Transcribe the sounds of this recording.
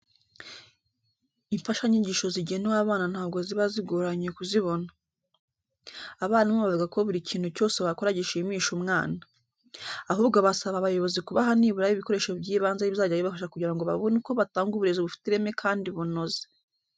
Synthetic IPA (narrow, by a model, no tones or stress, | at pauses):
iɱfaʃaɲiɲɟiʃo̞ziɟenuwaβaːnan̥haːb̚ɡo̞ziβaziɡoɾaɲekuziβo̞na | aβaːnamoβavuɡako̞βuɾicʰiːnthuco̞ːseβakoɾaɟiʃimiːʃumŋaːnaː | ɦuːbɡoβasaβaːβajo̞βo̞zikuβaɦaniːβuɾaβiβiko̞ɾe̞ʃobɟiːβaːnzaiβizaɟaβiβafaʃakuɟiɾaŋɡo̞βa̰βonuko̞βataːŋɡuβiɾezoβufi̥tiɾe̞mekʰaːndiβuno̞ze̥